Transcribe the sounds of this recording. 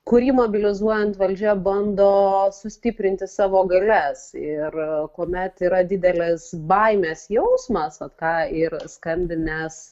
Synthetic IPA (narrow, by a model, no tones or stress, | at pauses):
kʊɾʲiːmoːbʲɪlʲɪzuɔjɛnt̪ʋɐlʲd͡ʒʲɛbɐnd̪oːsʊsʲt̪ʲɪpʲɾʲɪnʲt̪ʲɪsɑːʋoːɡɐlʲɛsɪrkoːmʲɛt̪iːɾɐd̪ʲɪd̪ʲɛlʲɛsbɐɪmʲɛːsjɛʊsmɐsɐt̪kɑːɪrskɐmʲbʲɪnʲɛs